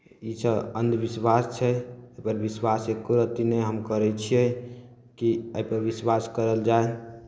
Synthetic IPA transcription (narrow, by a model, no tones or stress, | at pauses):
isəənd̪biswast͡ʃʰɛəjpəɾbiswasekːuɾət̪ineɦəmkəɾɛt͡ʃʰiɛ | kiəjpəɾbiswaskəɾəld͡ʒae